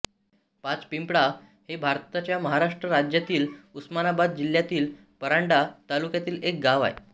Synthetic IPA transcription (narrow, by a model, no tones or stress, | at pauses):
pat͡spimpɽa | hebʱaɾt̪at͡ɕjaməɦaɾaʂʈɾəɾad͡ʑjat̪iːlusmanabad̪̚d͡ʑil̤jat̪iːl | pəɾaɳɖat̪alukjat̪iːlek̚ɡaʋa̰e